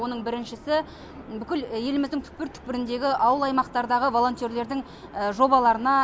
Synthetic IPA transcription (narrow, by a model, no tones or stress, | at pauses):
o̞nəɴbɪɾɪnʃɪsɪ | bʏkʲɪlje̞lɪmɪzd̪ɪŋt̪ʰʏ̥k̚pɪɾt̪ʰʏ̥k̚pɪɾɪnd̪e̞ɡʲɪʔɑwəlˠɑjmɑqt̪ɑɾd̪ɑʁəvo̞lˠo̞nt̪je̞ɾle̞ɾd̪ɪŋ | əʒo̞bɑlˠɑɾənɑ